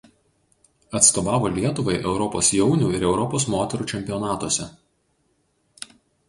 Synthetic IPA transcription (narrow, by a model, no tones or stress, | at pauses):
ɐt̪st̪oːʋɑːʋoːlʲiɛt̪ʊʋɐɪʔɛʊɾɔpo̰ːsjɛʊnʲuːɪɾɛʊɾɔpoːsmoːt̪ʲɛɾuːt͡ʃʲɛmʲpʲɪɔnɑːt̪uɔsʲɛ